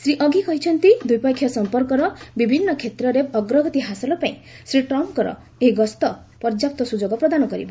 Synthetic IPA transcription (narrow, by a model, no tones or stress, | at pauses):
sɾiʔɔɡikɔɦit͡ʃʰɔnt̪id̪ujpakʰːjɔsɔmpɔɾkɔɾɔbibʱinːɔkʰet̪ɾɔɾeɔɡɾɔɡɔt̪iɦasɔlɔpaĩsɾiʈɾɔmkɔɾɔ̰ | eɦiɡɔst̪ɔ | pɔɾd͡ʒap̚t̪ɔsud͡ʒoɡɔpɾɔd̪anɔkɔɾḭbɔ